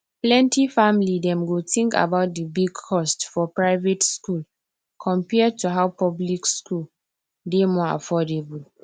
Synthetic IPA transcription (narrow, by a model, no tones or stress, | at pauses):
plɛ̃ntifãmlidɛ̃mɡotĩŋka̰baʊt̚dəbiɡkʰɔstfɔpɹaɪvetskul | kʰɔ̃mpɛd̚tuɦawpɔblikskul | demɔa̰fɔdebul